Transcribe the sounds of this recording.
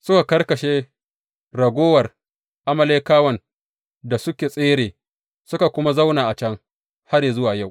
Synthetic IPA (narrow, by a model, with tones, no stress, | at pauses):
sʊ˦ka˨kɐ˦rkɐ˨ʃeː˦ | ɽɐ˨ɡʷoː˦wɐ˨r | ʔa˦mɐ˦leː˦kaː˦wɐ˨n | da˨sʊ˦kʲeː˨sʼeː˦ɽeː˨ | sʊ˦ka˨kʷʊ˦ma˦za˦wnaː˨ʔa˨t͡ʃɐ˦ŋ | ha˦ɾeː˨zʊ˦waː˨ja˦˨